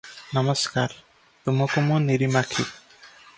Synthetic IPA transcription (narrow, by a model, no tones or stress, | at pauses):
namɔskaɾ | t̪umɔkomuniɾimakʰi